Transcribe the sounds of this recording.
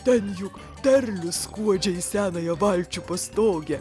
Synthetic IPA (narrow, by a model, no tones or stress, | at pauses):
t̪ʲɛnjʊk | t̪ʲɛɾʲlʲʊskuɔd͡ʒʲɛjsʲæːnɐjɛʋɑlʲt͡ʃʲʊpɐst̪oːɡʲɛ